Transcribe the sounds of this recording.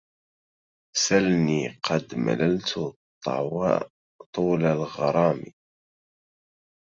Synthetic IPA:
salniːqʰɑd̪ma̰lalt̪ʰʊt̪ʰˤːɑ̰wa̰ | t̪ˤuːlalɣɑɾˤɑːmḭ

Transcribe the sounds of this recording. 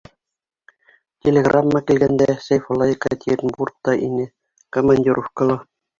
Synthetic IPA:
tʲelʲeɡrʔamːɑkilʲɡænd̪æsʲejfŏlˠɑikɑt̪ʲirʲnburt̪ːɑʔḭnʲe | komɑnʲdʲirʔofkɤ̆lˠŏ

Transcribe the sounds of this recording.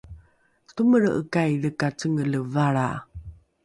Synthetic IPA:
tuməɾə̰kajɾəkat͡səŋələvaɭa̰

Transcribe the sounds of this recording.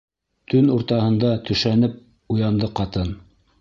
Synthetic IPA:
t̪ɵnuɾt̪ɑhɤ̆nd̪ɑt̪ɵ̆ʃænɘp̚ | ujɑnd̪ɤqɑt̪ɤn

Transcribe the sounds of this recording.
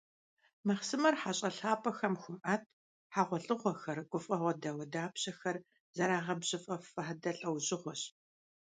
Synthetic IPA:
mɐχsɨmɐrħaɕʼɐɬaːpʰɐxɐmxʷʊmʔɐtʰ | ħaʁʷɔɬʼɨʁʷɔxɐrɡʷʊfʼɐʁʷɔdɐwɐdaːpɕɐxɐr | z̥ɐɾaːʁɐbɕʼɪfʼɐfɐħdɐɬʼɐwʑʼɪʁʷɔɕ

